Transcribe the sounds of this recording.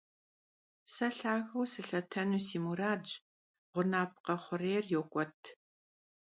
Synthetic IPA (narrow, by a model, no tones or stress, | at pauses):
sɐɬaːɣɐwsɨɬɐtʰɐnuːsiːmuraːd͡ʒ | ʁʷʊnaːp̚ʰqɐχʷʊreːrjoːkʷʼɔtʰ